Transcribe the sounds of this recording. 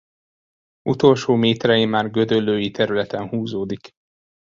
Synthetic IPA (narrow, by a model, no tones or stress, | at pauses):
ʔut̪o̞lʃoːmeːt̪ɾɛjimːaːrɡø̞d̪ølːøːjit̪ɛɾylɛt̪ɛnhuːzoːd̪ik